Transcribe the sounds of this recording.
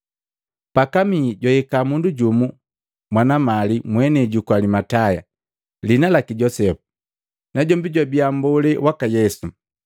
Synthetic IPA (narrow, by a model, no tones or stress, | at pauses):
pakamiɟɔjɛkamunduɟumu | mwanamalimwɛnɛɟukwalimataja̰ | linalakiɟɔsɛpu̥ | naɟɔmbiɟwabiambulɛwʔakajɛsu